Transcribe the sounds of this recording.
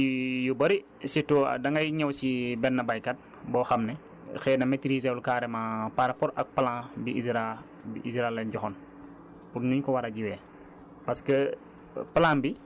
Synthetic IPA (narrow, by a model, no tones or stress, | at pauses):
jubɐɾi | sitɔ̰dɐŋɐjɲɛwsibɛnːɐbajkɐt̚ | bɔːxɐmnɛ | xɛːnɐmɛtiɾizɛulkaːɾɛmapaɾɐpɔɾɐk̚pɐlãːbiisɾa | biʔisɾalɛnɟɔxɔn | puɾɲuɲkɔwɐɾɐɡiwɛː | pɐskə | pɐlãːmbi